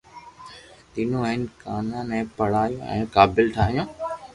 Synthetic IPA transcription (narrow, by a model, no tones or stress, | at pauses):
t̪iːnõːɪnkaːnãːnɛ̃ːpɐɽ̤aːjõ̰ːʔɛ̰̃ːkaːbɪlʈʰaːɦijõː